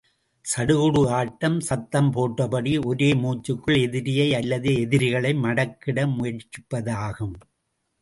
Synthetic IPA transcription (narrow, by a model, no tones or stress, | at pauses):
sɐɽɯɣɯɽɯaːʈːɐmsɐt̪ːɐmpoːʈrɐpɐɽiʔɔɾeːmuːt͡ʃːɯkːɯɭɛðɪɾɪjɐɪɐlːɐðeːɛðɪɾɪɣɐɭɐɪmɐɽɐkːɪɽɐmʊjɐɾt͡ʃːɪpːɐðaːɣɯm